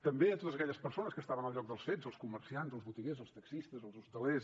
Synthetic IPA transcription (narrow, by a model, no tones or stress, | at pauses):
t̪əmbeət̪ot̪əzəkɛʎəspəɾsonəskəst̪aβənəlˠʎɔk̚d̪əlˠsfezəlˠskumərsianzəlˠzβut̪iɣezəlˠst̪əksist̪əzəlˠzust̪əles